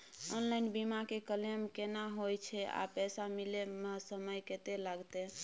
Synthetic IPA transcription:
onlajnbimakekəlemkenaɦojt͡ʃʰɛa̰pɛsamilemesəməjket̪elaɡt̪e

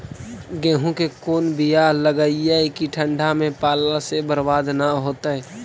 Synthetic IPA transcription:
ɡɛ̃ːɦõkekoːnbijaləɡəiɛkiʈʰə̃ɳɖʱamẽpaːlasebəɾbaːd̪ʱnaɦoːt̪aɦɛː

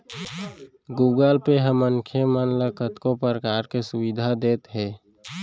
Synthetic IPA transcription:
ɡuːɡəlpeɦəməŋkʰjemənləkʰət̪kõpəɾəkaːɾkesʊwɪd̪ʱad̪eːt̪ɦɛː

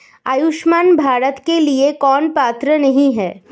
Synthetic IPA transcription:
ajʊʃmaːnbʱaːɾət̪keliekɔːnpaːt̪ɾənɐɦĩɦɛː

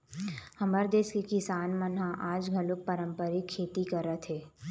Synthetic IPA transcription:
hɐməɾd̪eːskekɪsaːnmənɦãʔaːd͡ʒɡʱɐlʊk̚pəɾə̃mpəɾikʰːeːt̪ikəɾət̪ʰɦeː

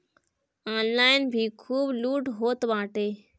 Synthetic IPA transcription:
ãːnlaːɪnbʱiːkʰuːbluːʈɦoːt̪ʋãːʈeː

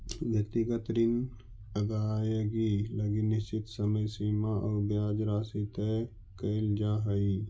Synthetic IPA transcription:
ʋjɐk̚t̪iɡət̪ɾɪn | ɐɡaːjəɡilɐɡinɪst͡ʃɪt̪sɐməjsiːmaʔɐːbjaːd͡ʒɾaːsit̪e | kəld͡ʒaːɦɐi

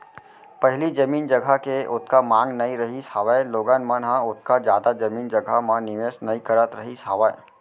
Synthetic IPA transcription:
pəɦɪlid͡ʒəmiːnd͡ʒəɡʱakeʔʊt̪̚ʰkamãːŋɡnɐĩɾɐɦisaːʋəeloːɡanmənɦãʊt̪̚ʰkad͡ʒjaːd̪ad͡ʒɐmiːnd͡ʒəɡʱamãnɪʋeːsnɐĩkəɾət̪ɾɐɦisaːʋae

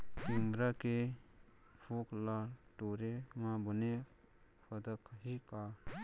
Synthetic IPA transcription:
t̪imbɾake | pʰuklaʈoɾemãbəne | pʰəd̪əkʰɦika

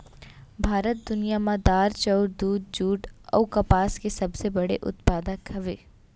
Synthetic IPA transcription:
bʱaːɾət̪̚d̪ʊnijamãd̪aːɾt͡ʃɔʊɾd̪uːd̪̚d͡ʒuːʈɔ̰ːkɐpaːskesɐbsebɐɽḛʔʊ̰t̪paːd̪akʰɐʋeː

